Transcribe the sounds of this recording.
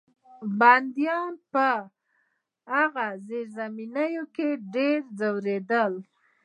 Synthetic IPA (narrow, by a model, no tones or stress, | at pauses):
band̪jɑnpə | aɣazeɾzaminajokeɖeɾzawɾed̪əl